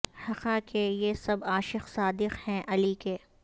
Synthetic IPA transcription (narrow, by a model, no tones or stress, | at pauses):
hɐqakʰejesɐbaːʃɪqsaːd̪ɪqhɛ̃ʔɐlikeː